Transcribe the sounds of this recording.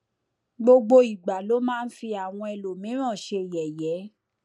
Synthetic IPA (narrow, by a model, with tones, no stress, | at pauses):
ɡ͡bo˧ɡ͡bo˧i˨ɡ͡ba˨lo˨˦mãː˦˧n̩˦fi˧a˨w̃ɔ̃˧ɛ˧lo˨mĩ˨˦ɾ̃ã˦˨ʃe˧˨jɛ˨jɛ˨˦